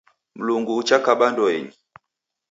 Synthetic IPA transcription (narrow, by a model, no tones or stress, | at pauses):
m̩luŋɡuːt͡ʃakaɓandɔɛɲi